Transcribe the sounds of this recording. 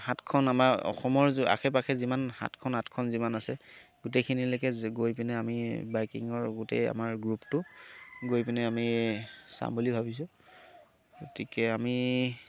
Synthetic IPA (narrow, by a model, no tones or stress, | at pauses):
hatkʰɔnamaɹɔ̰xɔmɔɹa̰kʰɛp̬akʰɛzimanha̰tkʰɔnhatkʰɔnzimanasɛɡutejkʰinilokɛɡojpinɛamibajkḭŋɔɹɡutḛja̰maɹɡɹuptʊɡojpinɛamisa̰mbulibʱabis̬ʊ̃ | ɡotikɛami